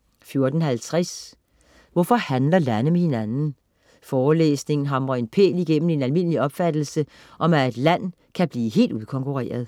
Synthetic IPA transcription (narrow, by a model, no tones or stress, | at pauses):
fjo̝ɐd̥n̩hælt͡sʰʁas | ʋɒfɒ̽hænlɐlænəmehe̝nænn̩ | fɒːlḛːsne̝ŋn̩ɦɑ̈mʁɐe̝npʰḛːliɡ̥en̰m̩e̝nælme̝n̰əliɒ̽b̥fæd̥l̩sə | ʔɒ̽mæe̝d̥læn̰ | kʰæb̥liːɦe̝̰ːld̥uð̩ˠkʰɒ̽ŋkʰuʁɛ̰ːɐð̞ˠ